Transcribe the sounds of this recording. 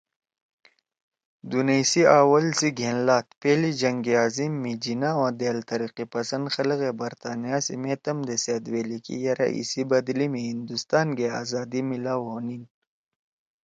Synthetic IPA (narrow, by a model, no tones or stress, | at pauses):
d̪unejsiaːwɐlsiɡʱeːnlaːt̪peːlid͡ʒɐŋɡeaːzimːid͡ʒinawãd̪eːlt̪ɐɾiqipɐsɐnd̪xɐlɣebɐɾt̪aːnijasḭmeːt̪ɐmd̪eseːd̪weːlikḭjɐɾʔa̰ʔḭsibɐd̪limiɦind̪ust̪aːnɡea̰ːzaːd̪imilaːwɦoːnin